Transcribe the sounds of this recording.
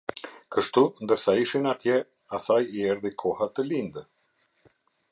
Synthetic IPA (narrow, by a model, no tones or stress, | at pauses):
kəʃt̪und̪əɾsaiʃinat̪jɛ | asajiɛɾðikʰɔhat̪əlind̪ə